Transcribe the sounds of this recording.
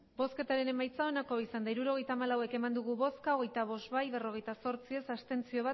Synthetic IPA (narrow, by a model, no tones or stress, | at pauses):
bo̞ske̞t̪aɾe̞ne̞majt͡sao̞nako̞isand̪aiɾuɾo̞ɣe̞jt̪aːmalawe̞ke̞mand̪uɣ̞uβo̞skaoɣe̞jt̪aβ̞o̞sβajβe̞ro̞ɣe̞jt̪aso̞ɾt͡sie̞sast̪e̞nt͡sio̞βa